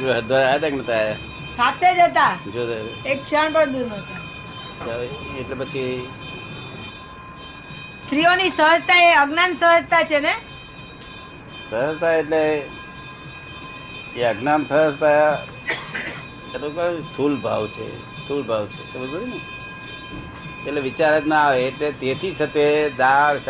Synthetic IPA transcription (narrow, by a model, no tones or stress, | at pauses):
əɦəɾd̪ʋaɾaaːjet̪aknət̪ʰaaja | sat̪ʰed͡ʒet̪̬ad͡ʒoːd̪oek̚t͡ʃʰəɳpəɳd̪unət̪a | aeʈlepət͡ʃʰi | t̪ɾionisəɦəd͡ʒt̪aeəɡnansəɦəd͡ʒt̪at͡ʃʰene | səɦəd͡ʒt̪ʰaeʈle | eəɡnansəɦəst̪aja | təɾukəst̪ʰulbʱa̰ʋt͡ʃʰḛ | st̪ʰulbʱaʋt͡ʃʰesəbəd͡ʒuɾne | eʈleʋit͡ʃaɾəd͡ʒnaaʋeːʈlet̪et̪ʰit̪ʰət̪ed̪aɾ